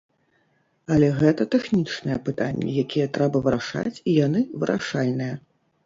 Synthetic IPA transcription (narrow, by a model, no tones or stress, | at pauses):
ɐlʲɛɣɛt̪ɐt̪ɛxnʲit͡ʂnɨjɛpɨt̪anʲːɛ̰jakʲijɛt̪ɾɛbɐvɨɾaʂa̰t͡sʲijanɨvɨɾʔa̰ʂalʲnɨjɐ